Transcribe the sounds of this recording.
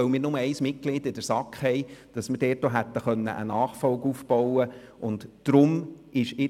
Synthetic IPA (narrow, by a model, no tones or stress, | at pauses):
œʊmɪːɾnʊməɛɪsmɪt̚klɪːdɪdəɾsɑkχhɛɪd̥ɑsmɪɾdɛːt̚ːoɦæt̪ːəχœnːə̰ʔə̰nɑːχfɔlɡufb̥ɔwəʔʊntːɾʊmʔɪʃɪ